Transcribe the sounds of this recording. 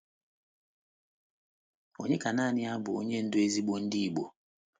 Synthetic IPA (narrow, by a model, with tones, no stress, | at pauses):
o˨ɲe˦ka˨naː˦˨nɪ˦a˦bʊ̰˨o̰˦ɲe˦n̩˦du˦e˦zi˦ɓo˦n̩˦di˦˨ɓo˨